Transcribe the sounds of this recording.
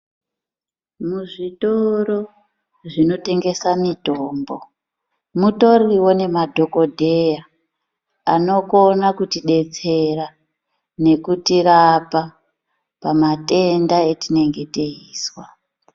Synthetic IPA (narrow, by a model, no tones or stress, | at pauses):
muʐitoɾo̞ | ʐino̞te̞ŋɡe̞samitoːmbo | muto̞riwo̞ne̞madʱo̞ko̞dʱe̞ja | ano̞ko̞nakutiɗe̞t͡se̞ra | ne̞kutirapa | pamate̞ndaetine̞ŋɡe̞teiːswa